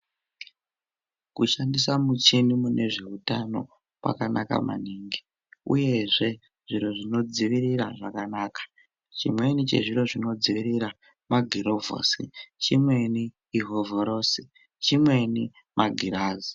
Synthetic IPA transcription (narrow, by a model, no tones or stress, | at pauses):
kuʃandisamut͡ʃinimunʔe̞ʐe̞utano̞̰ | pa̰kanaka̰ma̰niːŋɡi | uje̞ʐe̞ | ʐ̥iɾo̞ʐino̞d͡ziʋiriɾaʐakanaːkḁ | t͡ʃimwe̞nit͡ʃe̞̰ʐiɾo̞ʐino̞d͡ziʋirira | maɡʱiɾo̞vo̰sit͡ʃimwe̞niː | ɦo̞voɾosi | t͡ʃimwe̞ni | mʔaɡʱiɾaːzi